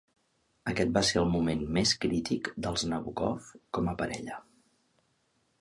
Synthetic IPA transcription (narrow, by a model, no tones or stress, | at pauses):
əkɛt̪̚baseɾəlˠmumenmeskɾit̪ikd̪əlˠznəβukɔ̰fkɔməpəɾɛ̰ʎə